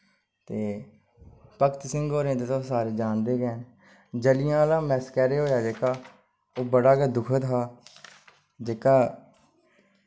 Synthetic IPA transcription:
t̪eː | pəkt̪sɪŋɡɦoːɾẽːt̪eːt̪õsaːɾeːd͡ʒaːnd̪eːkɛːn | d͡ʒəlɪjãːlãːmɛːskɛːɾeːɦoːjaːd͡ʒeːkaː | oːbəɽaːkeːd̪ʊkʰət̪ɦaː | d͡ʒeːkaː

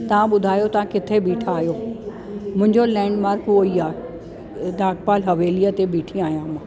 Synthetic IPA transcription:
t̪ɐʋ̤ãɓʊd̪ʱaːjot̪ɐʋ̤ãkɪt̪ʰeɓiːʈʰaːɦjo | mʊ̃ɦɪ̃ɲd͡ʑolɛ̃ːɳɖmaːɾkoiaːe | d̪aːʈ̚paːlɦɐʋeːlijət̪eɓiːʈʰĩaːɦijãmãː

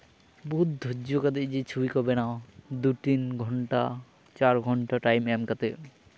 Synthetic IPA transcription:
bud̪̚d̪ʱod͡ʒokad̪eʔd͡ʒet͡ʃʰubikɔbenaõd̪uʈinɡʱɔɳʈa | t͡ʃaɾɡʱɔɳʈaʈajmɛmkat̪e

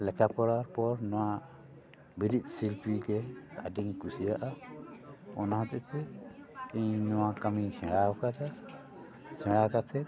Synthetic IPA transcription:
lɛkʰapɔɾaɾpɔɾnɔwa | biɾit̪̚ˀsilpʰɾiɡɛa̰diŋkusijaʔa | ɔnaɦɔ̃t̪ɛsɛ | iɲnɔwakamikʰɛ̃ɽaɔkata | t͡ʃʰɛ̃ɽakatʰɛt̪

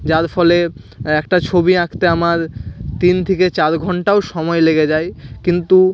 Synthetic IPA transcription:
d͡ʑaɾfɔle | ɛkʈat͡ɕʰobiakʰt̪eamaɾt̪int̪ʰeket͡ɕaɾɡʱɔɳʈaoʃɔmɔeleɡed͡ʑajkint̪u

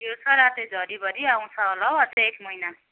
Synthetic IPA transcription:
jot͡sʰʌɾat̪ed͡zʱʌɾibʌɾiaw̃t͡sʰʌɦolʌwʌt̪eekmʌjna

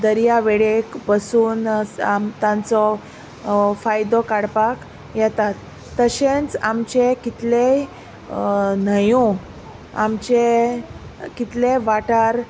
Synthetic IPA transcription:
d̪əɾjaʋeɭekbəsuːnamt̪ãnt͡sɔ | fajd̪ɔkaɽpak | jɛt̪at̪ː | əɕẽnt͡samt͡ɕekit̪le | nəjũ | a̰mt͡ɕe | kit̪leʋaʈaɾ

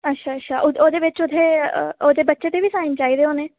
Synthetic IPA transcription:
ətːʃʰaːətːʃʰaːʔʊoːd̪eːʋɪt͡ʃod̪ʰeːoːd̪eːbətːʃeːt̪eʋiːsaːɪnt͡ʃaːiːd̪eːɦoːneː

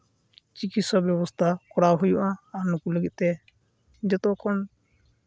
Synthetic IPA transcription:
t͡ʃikit̪sɔbjɔbɔst̪ʰakɔɾaɦujuʔãːɾnukuləɡit̪̚t̪ɛ | d͡ʒɛt̪ɔkɔn

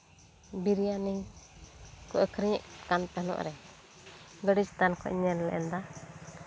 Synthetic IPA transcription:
biɾijaniɲ | kɔʔəkʰɾiɲɛʔkant̪anɔ̰ʔɾɛ | ɡəɽist̪ankɔ̰iɲɛllɛ̰ʔɛ̰nd̪a

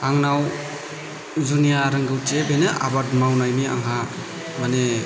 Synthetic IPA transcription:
aŋnaw | zunijaɾɐŋɡɯwtebenɯʔa̰badmawnajmia̰ŋɦa | mane

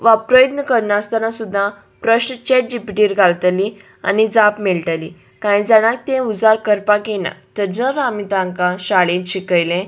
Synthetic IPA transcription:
ʋapɾəjət̪nəkəɾɳast̪anasud̪ʱːã | pɾəɕnt͡ɕeʈ̚ɖipʈiːɾɡʱalt̪li | a̰nid͡zapmɛlʈəli | kaĩd͡zaɽ̃ãk̚t̪ẽud͡zaɾkəɾpakenã̰t̪əd͡ʑəɾamit̪ãŋkãɕaɭẽnɕikəjlẽ

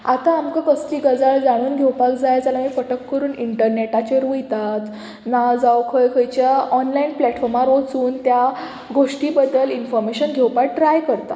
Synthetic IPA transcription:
at̪aːmkakəst̪iːɡəd͡zaɭd͡zaɽ̃uːnɡʱewpakd͡zajd͡zalamiːfəʈəkːəɾuːniɳʈəɾneʈat͡ɕeɾujt̪at̪ | nad͡zawkʰəjkʰəjt͡ɕjaɔnlainplɛʈfɔɾmaɾot͡suːnt̪ja | ɡoʂʈiːbəd̪əlinfɔɾmeɕənɡʱɛwpak̚ʈɾajkəɾt̪a̰

